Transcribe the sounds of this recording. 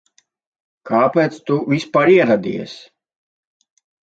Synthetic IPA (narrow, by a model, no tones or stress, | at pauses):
kaːpɛːt̪st̪uvʲispaɾiɛɾad̪ḭɛ̰sʲ